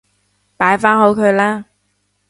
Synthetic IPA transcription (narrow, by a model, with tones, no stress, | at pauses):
paː˨˥jfaː˥nɦo˨˥wkʰɵ˨˧ɥlaː˥